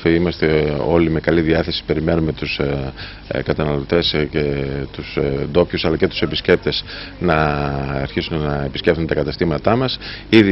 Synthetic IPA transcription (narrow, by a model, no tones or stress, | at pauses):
fiimɐst̪e̞o̞lime̞kɐliðiɐθe̞si̥pe̞ɾime̞nume̞t̪us | kɐt̪ɐnɐlot̪e̞sce̞t̪usd̪o̞pçusɐlɐce̞t̪u̥se̞pisce̞p̚t̪e̞snɐ̰ːɾçisunnɐe̞piscft̪unt̪ɐkɐt̪ɐst̪imɐt̪ɐmɐsið